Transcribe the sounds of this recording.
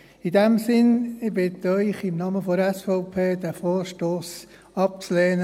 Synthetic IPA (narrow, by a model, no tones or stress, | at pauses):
idɛmsɪnɪbɪt̪œʏχɪmnɑməfoɾɛsfɛʊpʰeːd̥̪æfoːɾʃtoːs | ɑp̚t͡sleːnə